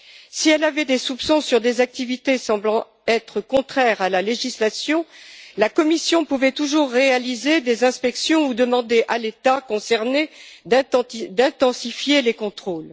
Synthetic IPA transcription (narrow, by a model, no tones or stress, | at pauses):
siɛlavɛd̪esupsɔ̃syʁd̪ezak̚t̪ivit̪esɑ̃blɑ̃ | ɛt̪χəkɔ̃t̪χɛʁalaleʒislasjɔ̃lakɔmisjɔ̃puvɛt̪uʒuʁːealized̪ezɛ̃spɛksjɔ̃ud̪əmɑ̃d̪eʔalet̪akɔ̃sɛʁned̪̃d̪ɛ̃t̪ɑ̃sifjelekɔ̃t̪χol